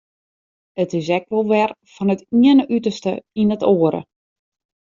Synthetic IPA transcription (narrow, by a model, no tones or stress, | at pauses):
ətɪs̬ɛkʋolˠʋɛr | fɔnətiənəʔytərstə̰inətʰoːəɾə̰